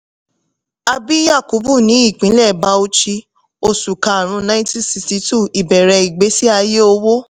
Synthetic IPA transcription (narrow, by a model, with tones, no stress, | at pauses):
a˧bi˦ja˦˨ku˨˦bu˦˨nĩ˨˦i˦˨k͡pĩ˨˦lɛ˦˨ba˧˦o˧t͡ʃi˧ | o˧su˨kã˧a˨ɾ̃ũ˨˧nã˦ĩ˦tĩ˦si˧sti˧tu˦˨i˨bɛ˨ɾɛ˧i˨ɡ͡be˨˦si˦a˧je˦o˧wo˦